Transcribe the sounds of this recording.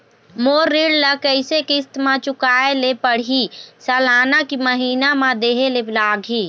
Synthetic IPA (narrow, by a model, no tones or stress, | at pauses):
moːɾːiːɽləkəɪsekɪst̪mãt͡ʃʊkaːelepəɽ̤isəːlaːnakiməɦiːnamãd̪eːɦeleblaːɡʱiː